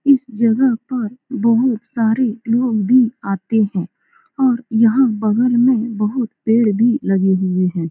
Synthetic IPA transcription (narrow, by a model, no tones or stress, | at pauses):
ɪsd͡ʒɐɡəɦpɐɾbɐɦʊt̪saːɾeloːɡbʱiaːt̪eɦɛ̃ː | ɔːɾjɐɦãbɐɡəɾmẽbɐɦʊt̪peːɽbʱilɐɡeɦʊeɦɛ̃ː